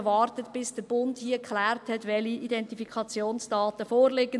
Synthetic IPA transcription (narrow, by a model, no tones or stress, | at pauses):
ʋɑrtətb̥ɪsd̥əbʊndhiəkχlæːrthɛtʋɛliʔidɛntifikχɑt͡sjoːnsd̥ɑːtəfoːrlɪɡə